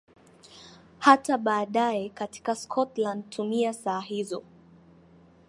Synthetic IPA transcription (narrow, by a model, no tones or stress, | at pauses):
hataɓaːɗaɛkati̥kaskʰɔtland̚tʰumiasaːɦizɔ